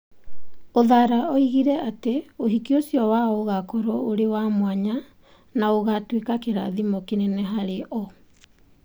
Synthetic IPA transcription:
oðaɾaɔiɣiɾɛateoɦikiosjɔwaɔoɣakɔɾɔoɾewamwaɲa | naoɣatwekakeɾa̰ðimokinɛnɛɦaɾeʔɔ

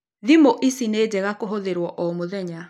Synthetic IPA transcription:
ðimoʔisined͡ʑɛɣakoɦoðeɾwɔʔɔmoðɛɲa

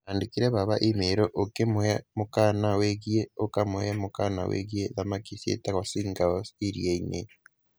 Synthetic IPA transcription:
aːndikiɾɛβaβaʔimeɾoʔokemoɛmokanaweɣieokamohɛmokana̰wḛɣieðamakisjḛtaɣɔsiŋɡaosiɾjeinḛ

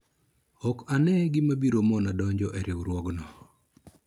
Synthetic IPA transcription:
ɔkanɛɡɪmabiɾomɔnadɔɲd͡ʒɔʔɛɾʔɪwɾwɔɡnɔ

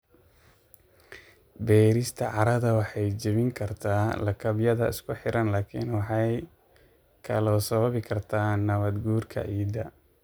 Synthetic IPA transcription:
bɛːɾɪst̪ʰɐʕɑɾɐðɐwɑħɑjd͡ʒɐβɪŋkʰɐrt̪ʰaːlɐkʰɐbjɐðɐɪ̰skʰʊħɪɾɐnlaːkʰḭnwɑħɑj | kʰɐlɔːsɐβɐβɪkʰɐrt̪ʰaːnɐβɐd̪ɡuːrkʰɐ̰ʕiːd̪ɐ

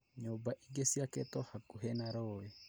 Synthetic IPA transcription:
ɲobaʔiɡesiakɛt̪ɔhakuɦɛnaɾɔɛ

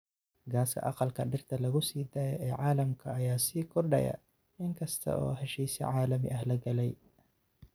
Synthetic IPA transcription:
ɡaːskʰɐ̰ʔɑqɑlkʰɐɖɪrt̪ʰɐlɐɣʊsiːd̪aːjɐʔɛːʕaːlɐmkʰɐːjaːsiːkʰɔrɖɐ̰jɐ̰ | ɪŋkʰɐst̪ʰɐ̰ʔɔ̰ːɦɛʃiːsḭʕaːlɐmɪ̰ʔɐhlɐɡɐlɛj

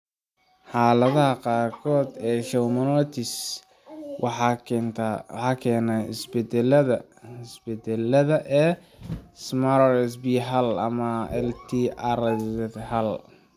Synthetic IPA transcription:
ħaːlɐðɐɦɐqɑːɾkʰɔːd̪ɛːʃɛwmɐnɔt̪ʰis | wt̪ħɑːkʰɛːnaɪ̰sbɛd̪ɛlɐðɐ | hɪsbɛd̪ɛlːɐðɐʔɛː | smaɾrɛsbiɦɐlɐmɐɛ̰lt̪ʰiʔaɾsɛthɐl

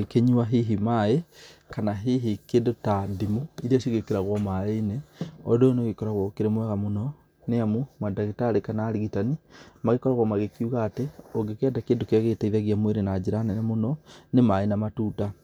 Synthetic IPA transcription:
keɲuaɦiɦimaekanaɦiɦikeːndotadimoiɾiaʃiɣekeɾaɣwɔmaeineɔ̰donoɣekɔɾaɣɔkeɾemwɛɣamonɔ | neamumadaɣitaɾekanaːɾiɣitanimaɣekɔɾaɣwɔmaɣekiuɣaːteoɡekeadakeːndokeaɣetaiðaɣiamweɾenad͡ʑeɾanɛnamonɔnemaenamatuːta

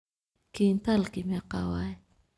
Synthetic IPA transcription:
kint̪alkimakawaj

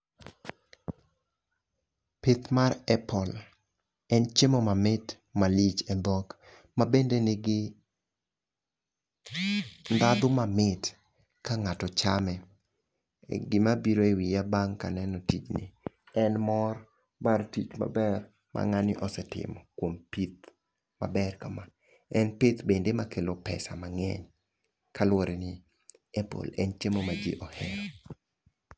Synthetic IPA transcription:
pɪt̪marɛpɔl | ɛnt͡ʃemɔmamɪt | malit͡ʃɛd̪ɔk | mabendenɪɡɪ | nd̪ad̪ʊmamɪt | kaŋatɔt͡ʃamɛ | ɡɪmabiɾoewijabaŋkanɛnɔtit͡ʃnɪ̰ | ɛnmɔr | bartit͡ʃma̰bɛr | mʔa̰ŋanɪʔɔsɛtɪ̰mɔkwompit̪̚ | ma̰bɛrkama | ɛnpɪt̪bendemakelopɛ̰sa̰maŋɛ̰ɲ | kalwoɾɛnɪ | ɛpo̰lɛnt͡ʃemomad͡ʒḛʔɔhɛɾɔ

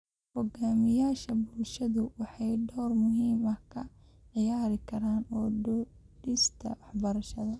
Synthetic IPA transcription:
hɔɡaːmɪjaːʃɐbʊlʃɐðʊwɑħɑjɖɔːrmʊɦiːmɐkʰɐ | ʕɪjaːɾɪkʰɐɾaːnɔː | ɖɪst̪ʰɐ̰wɑħbɐɾɐʃɐðɐ

